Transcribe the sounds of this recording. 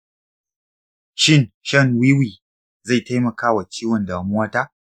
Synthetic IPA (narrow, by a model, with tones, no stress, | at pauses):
ʃɪ˦nʃɐ˦ŋwiː˦wiː˨ | za˦˨jta˦jmɐ˨kaː˦wa˨t͡ʃiː˦wɐ˨nda˨˦mʊ˦waː˦taː˦